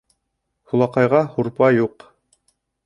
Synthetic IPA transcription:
hulˠɑqɑjʁɑhuɾpɑjuq

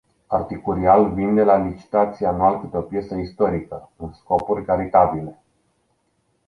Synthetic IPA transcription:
art̪ikuɾialvind̪e̞lalit͡ʃi̥t̪at̪sianualkɨt̪eo̞pje̞səist̪o̞ɾikəɨnsko̞purʲkaɾit̪abile̞

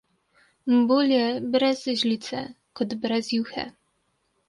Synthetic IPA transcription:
mbulʲjɛbɾɛzʑlʲit̪t͡s̪ɛ | kɔd̪bɾɛzjuxɛ̰

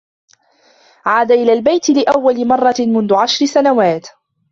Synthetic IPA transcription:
ʕaːd̪aʔɪlaːlbajt̪ɪlɪʔawːalɪmɑrˤːɑmʊnðʊʕaʃɾɪsanawaːt̪

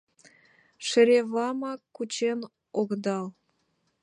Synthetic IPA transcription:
ʃə̆ɾʲeβɑmɑkkːut͡ɕen | oɣd̪ɑl

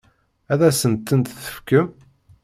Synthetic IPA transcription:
æðæsənt̪ːənt̪θə̥fkəm

